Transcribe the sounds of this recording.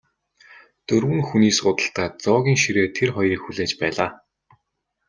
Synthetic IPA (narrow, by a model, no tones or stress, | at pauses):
t̪ɵrwɘ̆ŋxuniːsɢʊt̪ə̆ɬt̪aːt͡sɔːɣʲiːŋʃiɾeːt̪ʰerχɔjriːkxuɮeːt͡ɕpæːɮaː